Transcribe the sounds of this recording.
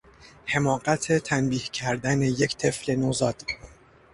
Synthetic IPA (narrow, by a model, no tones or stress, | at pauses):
he̞mɒːɢæt̪ʰe̞t̪ʰænbiːhcʰæɾd̪æne̞je̞ct̪ʰe̞fle̞nozɒːd̪̥